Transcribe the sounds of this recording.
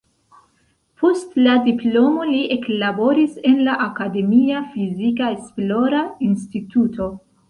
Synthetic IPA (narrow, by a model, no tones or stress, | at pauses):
pʰo̞stladiplo̞mo̞liʔe̞klabo̞ɾise̞nlaʔakade̞miafizikaesplo̞ɾainstitutʰo̞